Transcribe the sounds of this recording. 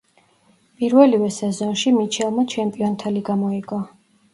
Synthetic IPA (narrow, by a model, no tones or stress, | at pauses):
pʼiɾvɛlivɛsɛzɔnʃimit͡ʃʰɛlˠmat͡ʃʰɛmpʼiɔnt̪ʰɛliɡamɔiɡ̥ɔ